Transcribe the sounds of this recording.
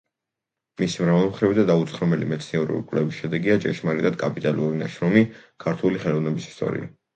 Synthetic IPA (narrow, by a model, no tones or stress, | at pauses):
misimɾavalˠmχɾivid̪ad̪aut̪sχɾɔmɛlimɛt̪sʰniɛɾṵɾḭkʼwlɛvisʃɛd̪ɛɡiat͡ʃʼɛʃmaɾit̪ʼad̪̥̚kʼapʼit̪ʼaluɾinaʃɾɔmikʰaɾt̪ʰuliχɛlˠɔvnɛbisi̥st̪ʼɔ̰ɾḭa̰